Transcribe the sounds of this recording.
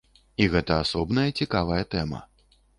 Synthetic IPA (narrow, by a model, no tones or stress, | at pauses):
iɣɛt̪ɐasɔbn̪ɐjɐt͡sʲikavɐjɐt̪ɛmɐ̰